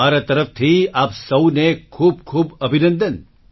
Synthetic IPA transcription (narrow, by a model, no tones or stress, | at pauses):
aːɾat̪ɐɾəft̪ʰiaːpsɐwnekʰuːb̚kʰuːbɐbʱinə̃nd̪ən